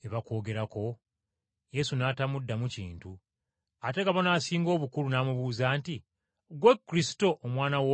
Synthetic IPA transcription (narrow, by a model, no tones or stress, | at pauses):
eβako̞ːɡe̞ɾako̞ | je̞sunaːtamudːamucḭːntu | ate̞ɡaβonaːsiːŋɡo̞ːβukuɾunaːmuβuːzaːnti | ɡwekːuɾisi̥to̞ʔːmwaːnawo